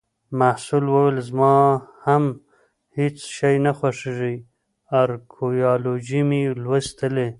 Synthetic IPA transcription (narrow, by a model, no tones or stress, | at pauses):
mahsulwəwelzmɑham | het͡sʃajnaxwaʂiʐij | aɾkʰojɑlod͡ʒimilwəst̪əle